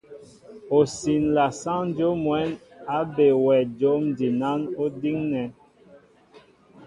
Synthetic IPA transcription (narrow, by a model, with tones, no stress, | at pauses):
o˨si˨nla˨sã˦n˦d͡ʒo˦mwɛ˨˦na˨˦be˨wɛ˨d͡ʒo˨˦mdi˨na˦no˦di˦ŋnɛ˨˦n